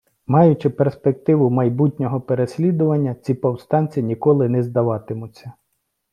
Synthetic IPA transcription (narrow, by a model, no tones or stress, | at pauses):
mɑjʊt͡ʃɪperspek̚t̪ɪʋʊmɐjbutʲnʲɔɦɔpeɾesʲlʲid̪ʊʋɐnʲːɐt͡sʲipɔwst̪ɑnʲt͡sʲiinʲikɔlˠɪnɛzd̪ɐʋɑt̪ɪmʊt͡sʲːɐ